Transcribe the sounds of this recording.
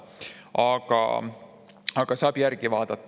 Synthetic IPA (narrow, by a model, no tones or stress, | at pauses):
ɑɡ̥ɑ̰ | ɑɡ̥ɑsɑːb̥jæɾɡ̥ivɑːd̪̥ɑt̪ːˑ